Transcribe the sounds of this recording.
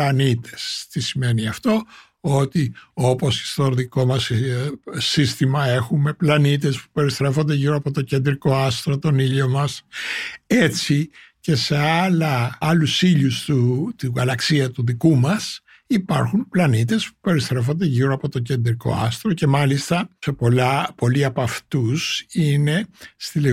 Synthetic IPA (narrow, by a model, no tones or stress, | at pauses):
lɐnit̪e̞st̪isime̞niɐft̪o̞ | ot̪io̞po̞si̥st̪oðiko̞mɐs | sist̪imɐe̞xume̞plɐnit̪e̞spu̥pe̞ɾist̪ɾe̞fo̞nd̪eʝiɾoɐpo̞t̪o̞ce̞nd̪ɾiko̞ɐst̪ɾot̪o̞niʎo̞mɐs | e̞t͡sice̞se̞ɐlɐɐlusiʎust̪ut̪iɣɐlɐksiɐt̪uðikumɐs | ipɐɾxumplɐnit̪e̞spu̥pe̞ɾist̪ɾe̞fo̞nd̪eʝiɾoɐpo̞t̪o̞ce̞nd̪ɾiko̞̰ɐ̰st̪ɾoce̞mɐlist̪ɐse̞po̞lɐpo̞liɐpɐft̪usine̞st̪ile